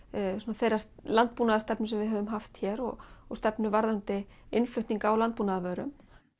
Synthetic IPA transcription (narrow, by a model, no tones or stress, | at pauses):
sunaθejraslant̪̚puːnaðast̪ɛpnʏsɛmvɪðɦœːvʏmɦaft̪çɛːɾɔ̰ɣɔst̪ɛpnʏvaɾðant̪ɪ | ɪnflʏɥht̪niŋkaːawlant̪̚puːnaðavœːɾʏ̰m